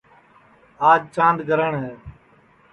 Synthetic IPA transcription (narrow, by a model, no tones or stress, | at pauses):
aːd͡ʒt͡ʃãːnd̪ɡʱəɾəɳɦẽː